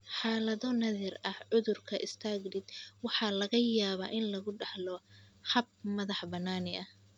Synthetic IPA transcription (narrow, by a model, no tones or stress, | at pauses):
ħɑːlɐðɔnɐðirɐhʕʊðʊrkʰɐʔɪst̪ʰaːɡɖɪd̪wɑħɑlɐɣɐjaːβaːʔɪnlɐɣʊɖɑħlɔħɑb̚mɐðɑħbɐnːaːnɪʔɐh